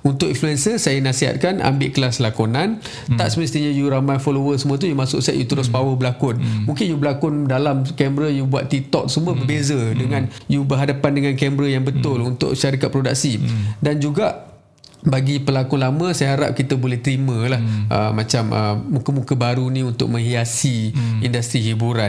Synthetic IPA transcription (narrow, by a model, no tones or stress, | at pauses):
unt̪ʊʔinfluɛnsəsajanasiɦa̰t̪̚kanʔa̰mbɪʔkəlaslakonãn | t̪aʔsəməst̪iɲajuɾamajfolowəsəmũət̪̬ujumasʊ̰k̚sɛ̰ʔ̪̚jut̪əɾʊspawəbəlakʊnmũŋkɪnjubəlakʊndalamkɛmbɾəjubua̰t̪̚t̪it̪ɔk̚səmũəbərbezədəŋãnjubəɦadapandəŋãnkɛmbɾəjaŋbət̪ʊlunt̪ʊ̰ʔʃaɾikat̪̚pɾodaksidand͡ʒuɡaʔ | baɡipəlakʊnlamə̃sajɦaɾa̰p̚kit̪əbolɛht̪əɾimə̃lahʔə̰mãt͡ʃamʔə̰mukəmukəbaɾunĩunt̪ʊ̰k̚mə̃ŋɦiasiindast̪ɾiɦibuɾan